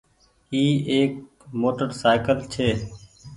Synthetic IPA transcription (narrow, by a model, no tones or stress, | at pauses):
iːeːk̚ | moːʈəɾsaːɪkəlt͡ʃʰeː